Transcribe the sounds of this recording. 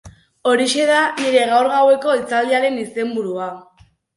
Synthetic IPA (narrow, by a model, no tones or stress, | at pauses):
o̞ɾiʃe̞ðaniɾe̞ɣawɾɣawe̞ko̞it͡sald̪iaɾe̞nise̞mbuɾua